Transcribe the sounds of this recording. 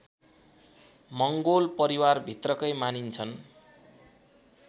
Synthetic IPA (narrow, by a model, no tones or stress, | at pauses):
mʌŋɡolpʌɾiwarbʱit̪rʌkʌjmanint͡sʰʌn